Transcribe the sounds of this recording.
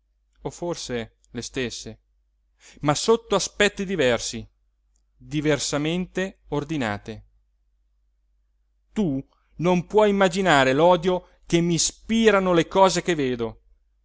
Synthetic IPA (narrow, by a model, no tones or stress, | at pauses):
oforse | lest̪esːe | masot̪ːoaspɛt̪ːid̪ivɛrsi | d̪iversament̪eord̪ina̰ːt̪e | t̪u | nompwɔjimːad͡ʒinaːɾelɔːd̪jo | kemːispiːɾanolekɔːzekeveːd̪o